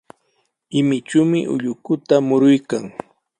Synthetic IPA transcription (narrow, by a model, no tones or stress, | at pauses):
ɪmɪt͡ʃuːmɪʔʊ̰ʎʊkʊt̪amʊɾʊjkaŋ